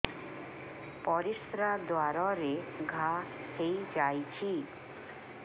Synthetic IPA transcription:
pɔɾiʃɾad̪oaɾɔɾeɡʱahejd͡ʑajt͡ɕʰi

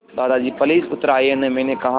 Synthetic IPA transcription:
d̪aːd̪ad͡ʒiːpɐliːsʊt̪əɾaːeɦɐnemɛ̃ːnekɐɦã

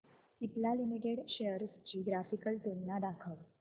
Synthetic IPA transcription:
ip̪lalimeɡeɽɕeəɾst͡ɕiːɡɾafikəlt̪unːad̪akʰəʋ

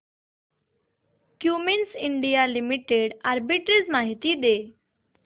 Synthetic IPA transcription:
kjuːmɪnsɪɳɖijalimiʈeɖaɾbiʈəɾzmaːɦit̪id̪eː

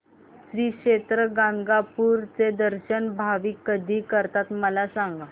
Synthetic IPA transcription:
sɾiːkɕet̪ɾəɡãŋɡapuːɾt͡sed̪əɾɕənbʱaʋiːkːəd̪ʱiːkəɾt̪at̪məlasaŋɡ

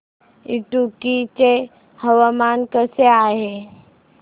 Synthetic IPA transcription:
iʈukit͡ʃe | həwamaːnkəseaɦe

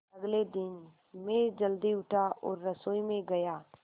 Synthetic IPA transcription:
ɐɡled̪ɪn | meːɾd͡ʒəld̪iʊʈʰaʔɔːɾːɐsoːimẽɡɐjaː

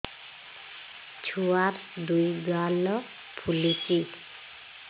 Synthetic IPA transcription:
t͡ʃʰuaɾ | dujɡalɔ | pʰuliki

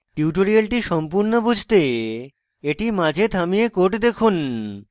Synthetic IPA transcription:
ʈiuʈoɾialʈiʃɔmpuɾnobud͡ʑʱt̪e | eʈimãd͡ʑʱet̪ʰamijekoʈd̪ekʰun

